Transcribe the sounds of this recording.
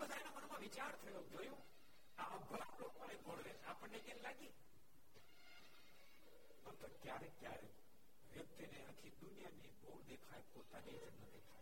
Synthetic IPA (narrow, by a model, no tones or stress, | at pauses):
bəd̪ʱajnãmənmãʋɪt͡ʃaːɾt̪ʰəjod͡ʒojũː | aʔəbʱəɾãlokmãnebʱoɽʋeaːpəɳnekãlaɡiː | pənt̪okjaɾekjaːɾe | ʋjək̚t̪ineak̪ʰid̪ʊnɪjaniboːɾd̪ekʰajpot̪anit͡ʃnəd̪eːkʰaj